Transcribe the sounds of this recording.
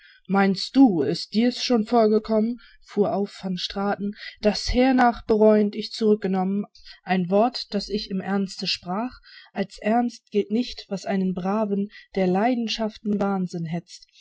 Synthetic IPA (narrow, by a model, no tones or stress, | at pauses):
maɪnstd̥uːɪst̚d̥iːɐsʃoːnfoːɐɡəkʰɔmən | fuːɐʔaʊfːɔnʃtʁ̥aːtn̩d̥ashɛːɐnaːχb̥əʁɔʏəntɪçt͡suʁʏk̚ɡ̥ənɔmənʔaɪnvɔɐtd̥asɪçɪmʔɛɐnstəʃpʁ̥aːχʔalsʔɛɐnst̚ɡ̥ɪltnɪçtv̥asʔaɪnənbʁaːvənd̥eːɐlaɪdn̩ʃaftn̩vaːnzɪnɦɛt͡st